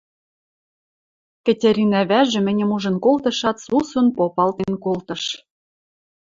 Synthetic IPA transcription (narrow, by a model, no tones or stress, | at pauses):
kɘ̆tʲeɾʲinæβæʒɘ̆mɘ̆nʲɘ̆muʒɤ̆nkolt̪ɤ̆ʃɑt̪susŭnpopɑlt̪enkolt̪ɤ̆ʃ